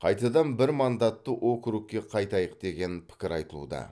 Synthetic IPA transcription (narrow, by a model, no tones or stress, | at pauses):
qʰɑjt̪ɑd̪ɑnbɪɾmɑnd̪ɑt̪ːəʔo̞kʲɾuk̚ʲːe̞qʰɑjt̪ɑjəqd̪̥e̞ɡʲe̞npʰɪ̥kʲɪɾɑjt̪əlˠṵd̪ɑ̰